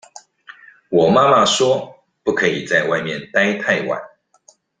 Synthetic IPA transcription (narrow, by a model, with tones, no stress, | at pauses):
wɔ˨˩ma˥ma˥˨ʂwɔ˥ | pu˥˩kʰɤ˧˥i˨˩t͡sa˥˧ɪwa˥˧ɪmjɛ˥˨nt̪a˥ɪt̪ʰa˥˩ɪwa̰˨˩˦n